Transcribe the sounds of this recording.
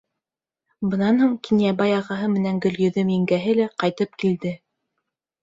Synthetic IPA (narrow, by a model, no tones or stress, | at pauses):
bɤ̆nɑnhuɴkinjæbɑjɑʁɑɦɤmɘ̆næŋɡɵ̆ljɵ̆ðɵmiŋɡæɦɘlæqɑjt̪ɤp̚kild̪ɘ